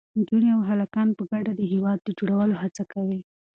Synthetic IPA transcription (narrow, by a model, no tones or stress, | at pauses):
d͡ʒuniawɦalakɑnpəɡaɖad̪əɦewɑd̪̚ːəd͡ʒoɽawəlohat͡sakawi